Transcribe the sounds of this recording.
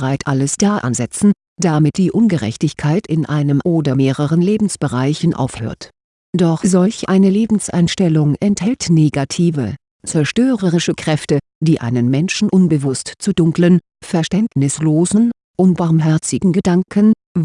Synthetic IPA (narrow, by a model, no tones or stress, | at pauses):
ʁaɪtʔaləsd̥aːʔa̰nzɛt͡sn̩ | d̥amɪt̚d̥iːʔʊnɡəʁɛ̰çtɪçkʰaɪtɪnʔa̰ɪnəmʔoːdɐmeːʁəʁ̞ənleːbm̩sb̥əʁaɪçn̩ʔa̰ʊfhø̰ːɐt | d̥ɔχz̥ɔlçʔaɪnəleːbm̩sʔa̰ɪnʃtɛlʊŋɛnthɛltneːɡatʰiːvə̰ | t͡sɛɐʃtøːʁəʁ̞ɪʃəkʁ̥ɛftə | d̥iːʔa̰ɪnənmɛnʃn̩ʔʊnbəvʊstt͡sudʊŋklən | fɛɐʃtɛntnɪsloːzn̩ | ʔʊnb̥aɐmɦɛɐt͡sɪɡŋ̩ɡədaŋkʰən